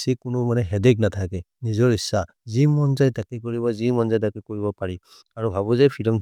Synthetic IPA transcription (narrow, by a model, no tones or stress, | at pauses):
sikʊnʊmanɛɦɛdɛk̚natʰakɛ | nizɔɹisa | zimɔnzajtakɛkɔɹibɔzimɔnzajtakɛkɔɹibɔpaɹi | aɹubʱaβɔzajpʰilɔm